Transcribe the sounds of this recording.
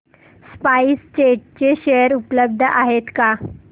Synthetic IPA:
spaist͡ɕeʈ̚t͡ɕeɕejəɾupləb̚d̪ʱəʔaɦet̪ka

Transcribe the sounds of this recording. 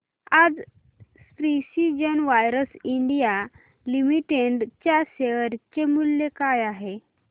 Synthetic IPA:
ad͡z | sfɾisid͡ʑənʋajɾəsiɳɖija | limiʈeɳɖt͡ɕjaɕeʋəɾt͡ɕemuljekajaɦe

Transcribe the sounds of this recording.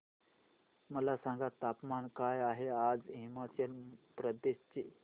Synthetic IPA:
məlasãŋɡat̪ːapmankajaɦead͡zɦimat͡ɕəlpɾəd̪eɕt͡ɕe

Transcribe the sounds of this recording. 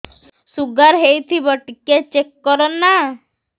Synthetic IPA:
suɡaɾɦejt̪ʰibɔʈiket͡ʃekːɔɾɔnːa

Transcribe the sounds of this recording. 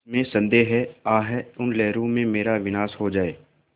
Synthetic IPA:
mẽsɐ̃nd̪eːɦɛaːɦɛʊnlɛːɾõmẽmeːɾaʋɪnaːsɦod͡ʒaːeː

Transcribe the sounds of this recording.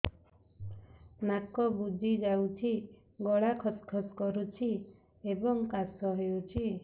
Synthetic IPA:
nakɔbud̪ʱid͡ʒawt͡ʃʰi | ɡɔɭakʰɔskʰɔskɔɾut͡ʃʰi | ebɔŋkasɔɦeut͡ʃʰi

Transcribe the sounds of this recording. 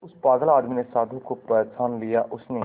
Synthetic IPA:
ʊspaːɡəlaːd̪miːneːsaːd̪ʱuːkʊpət̪sʰaːnlɪjaːʔʊsneː

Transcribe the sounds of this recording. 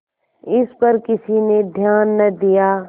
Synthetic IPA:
ɪspɐɾkɪsined̪ʱjaːnːɐd̪ijaː

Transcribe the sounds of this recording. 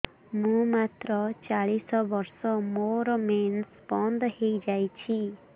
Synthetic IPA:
mũmat̪ɾɔt͡ʃaɭisɔbɔɾsɔmoɾɔmensbɔnd̪hejd͡ʒajt͡ʃʰi

